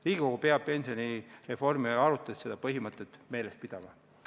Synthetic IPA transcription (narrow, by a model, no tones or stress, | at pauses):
liːɡiko̞ɡ̥upe̞ɑb̥̚pe̞nʲsio̞nʲire̞fo̞rmiɑɾut̪ːˑesse̞d̪̥ɑpɤɦimɤt̪ːˑet̪me̞ːlest̪̚pid̪̥ɑmɑ